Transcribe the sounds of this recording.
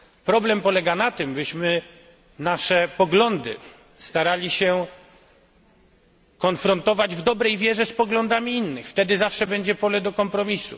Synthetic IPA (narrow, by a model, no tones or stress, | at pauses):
pɾɔblɛmpɔlɛɡanat̪ɘmbɘɕmɘ | naʂɛpɔɡlɔnd̪ɘ̰ | st̪aɾalʲiɕɛ | kɔnfɾɔnt̪ɔvad͡ʑvd̪ɔbɾɛjvʲjɛʐɛspɔɡlɔnd̪amʲiinːɘxft̪ɛd̪ɘzafʂɛbɛɲd͡ʑɛpɔlɛd̪ɔkɔmpɾɔmʲisṵ